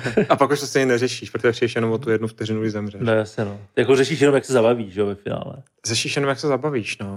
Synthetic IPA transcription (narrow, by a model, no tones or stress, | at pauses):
ʔapakuʃt̪ost̪eɲɪnɛrɛʃiːʃpɾot̪ʒɛpridɛʃjɛnomot̪ujɛdnufkt̪ɛrɪnuliːzɛmrɛnɛjasɲɛnojakorɛʃiːʃjɛnomjaksɛzabaviːʃʒɛovɛfɪna̰ːlɛ̰ | rɛʃiːʃjɛnomjaksɛzabaviːʃno